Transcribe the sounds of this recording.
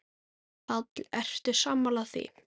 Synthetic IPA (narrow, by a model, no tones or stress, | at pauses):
fat̪lɛr̥t̪ɪ̥saːmalaθvḭ